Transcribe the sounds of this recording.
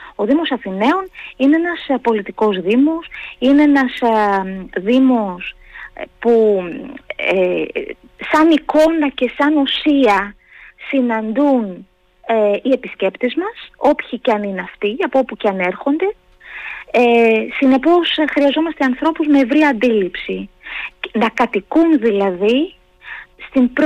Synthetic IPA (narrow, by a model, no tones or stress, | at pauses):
o̞ðimo̞sɐθine̞o̞nine̞enɐspo̞lit̪iko̞zðimo̞sineenɐs | ðimo̞s | pu | e | sɐniko̞nɐce̞sɐnosiɐ | sinɐnd̪un | eie̞pisce̞pt̪ezmɐso̞pçicɐnineɐft̪iɐpopuceɐne̞ɾxo̞nd̪e̞ | sine̞po̞sxɾiɐzo̞mɐst̪e̞ɐnθɾo̞puzme̞ːvɾiɐɐnd̪ilipsi | nɐkɐt̪ikunðilɐði | st̪imbɾ